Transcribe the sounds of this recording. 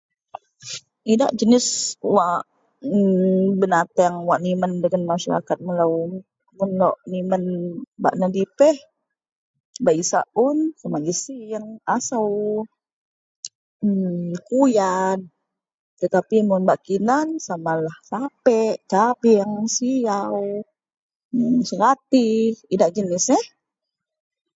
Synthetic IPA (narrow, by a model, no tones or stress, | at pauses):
ida̰ʔd͡ʒənɪswaʔ | əbənat̪aŋwaʔniməndəŋanmaʃa̰ɾa̰kat̪̚məlaw | mʊnlɔʔnimənba̰ʔnədipɛh | baʔisa̰ʔʊnsamaɡisijaŋasaw | əkujan | t̪ət̪apimʊnbaʔkinansamalahsapɛʔt͡ʃabiəŋsijaw | səkat̪iidaʔd͡ʒənɪsɛh